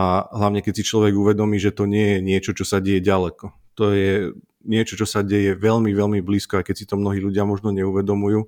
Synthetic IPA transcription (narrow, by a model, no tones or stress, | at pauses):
aɦlaʊɲɛkɛcsit͡ʃlɔʋɛɡuʋɛd̪ɔmiːʒɛt̪ɔɲɪɛjɛɲɪɛt͡ʃɔt͡ʃɔsaɟɛjɛɟalɛkɔ | t̪ɔjɛ | ɲɪɛt͡ʃɔt͡ʃɔsaɟɛjɛʋɛʎmiʋɛlmibliːskɔajkɛcsit̪ɔmnɔɦiːluɟɪamɔʒnɔɲɛuʋɛd̪ɔmujuː